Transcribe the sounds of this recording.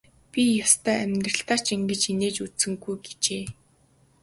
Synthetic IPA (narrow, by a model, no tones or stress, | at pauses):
pʲijast̪ʰœːæmʲt̪rə̆ɬt̪aːt͡ɕiŋɡɘ̆t͡ɕineːt͡ɕut͡ssɘ̆ŋɡujɡe̥t͡ɕeː